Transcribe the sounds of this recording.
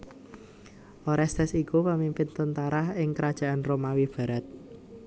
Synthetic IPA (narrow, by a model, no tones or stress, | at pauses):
ʔoɾɛst̪ɛsikupəmimpɪnt̪ənt̪aɾaɪŋkəɾad̥ʒ̥a̤ʔanromawib̥a̤ɾat̪̚